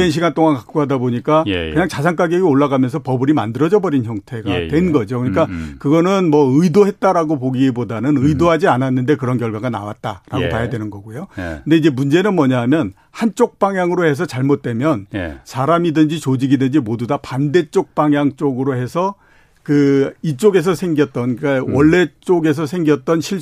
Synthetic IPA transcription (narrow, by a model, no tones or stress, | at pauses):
enɕ̬ʰiɡant͈oŋankak̚k͈oɦadaboɲik͈akɯɲaŋt͡ɕasʰaŋk͈aɡieɡoɭːaɡamjʌnsʰʌpʌbɯɾima̰ndɯɾʌd͡ʑʌbʌɾinçʰjʌŋtʰe̞ɡa̰twe̞nɡʌd͡ʑokɯɲik͈akɯɡʌnɯnmʌɯidoɦe̞t̚t͈aɾaɡopoɡiibodanɯnɯidoɦad͡ʑiananːɯnde̞kɯɾʌnkjʌɭɡaɡana̰wa̰t̚t͈aɾaɡotajadwenɯnɡʌɡojokɯnde̞id͡ʑe̞mund͡ʑe̞nɯnmʌɲaɦamjʌn | hant͡ɕ͈ok̚p͈aŋjaŋɯɾohe̞s̬ʰʌt͡ɕaɭmot̚t͈we̞mjʌnsʰaɾamidɯnd͡ʑit͡ɕod͡ʑiɡidɯnd͡ʑimodudapande̞t͡ɕ͈ok̚p͈aŋjaŋt͡ɕ͈oɡɯɾohe̞sʰʌ | kɯit͡ɕ͈oɡe̞s̬ʰʌsʰe̞ŋɡjʌt̚t͈ʌik͈awʌɭːe̞t͡ɕ͈oɡe̞s̬ʰʌsʰe̞ŋɡjʌt̚t͈ʌnɕʰiɭ